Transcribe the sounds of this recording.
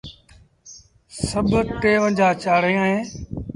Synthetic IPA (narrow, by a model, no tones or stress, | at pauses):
səbʱʈeːʋə̃nd͡ʒaːt͡ʃaːɽ̤ẽːəẽː